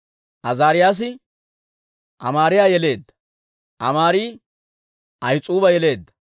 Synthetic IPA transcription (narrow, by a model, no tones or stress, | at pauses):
ʔɐzaːɾɪjaːs̬ɪ | ʔɐmaːɾɪjaːjɛle̞ːd̪ːɐ̥ | ʔɐmaːɾiː | ʔɐjt͡sʼuːbɐjɛle̞ːd̪ːɐ̥